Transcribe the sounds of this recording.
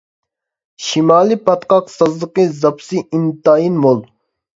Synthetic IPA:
ʃimaːlipɐt̪qɑqsɐzd̪ɨqizɐpsiʔint̪aːinmol

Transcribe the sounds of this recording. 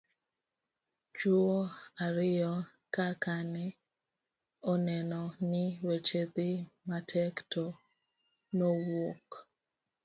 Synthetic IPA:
t͡ʃuoaɾɪjɔ | kakanɪ | ɔnɛnɔnɪwet͡ʃed̪ɪmatʰɛktʰɔ | nowok

